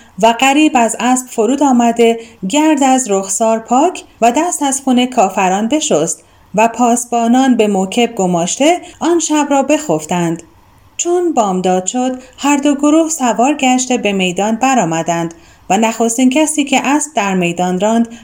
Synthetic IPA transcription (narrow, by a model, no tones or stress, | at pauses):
væɢæɾiːbæzæsbfoɾuːd̪ɒːmæd̪e̞ɟæɾd̪æzɾoxsɒːɾpʰɒːcʰvæd̪æst̪æzxuːne̞kʰɒːfæɾɒːnbe̞ʃost̪ | væpʰɒːsbɒːnɒːnbe̞mocʲʰe̞b̚ɡomɒːʃt̪e̞ʔɒːnʃæbɾɒːbe̞xoft̪ænd̪̥ | t͡ʃʰonbɒːmd̪ɒːd̪̥ʃo̞d̪hæɾd̪o̞ɡoɾuːhsævɒːɾɡæʃt̪e̞be̞me̞jd̪ɒːnbæɾɒːmæd̪ænd̪ | vænæxo̞st̪iːncʰæsiːcʰe̞ʔæsp̚d̪æɾme̞jd̪ɒːnɾɒːnd̪